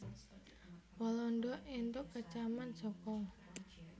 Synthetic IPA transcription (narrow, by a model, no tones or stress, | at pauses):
walɔnɖɔʔint̪ʊʔkət͡ʃamansɔkɔ